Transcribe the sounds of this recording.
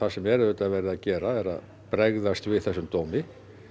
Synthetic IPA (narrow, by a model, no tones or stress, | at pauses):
θasɛmjɛɾɛʏt̪avɛɾɪðacɛːɾaɛɾa̰ð | pɾɛɣðast̪vɪθɛsːʏmt̪oːwmɪ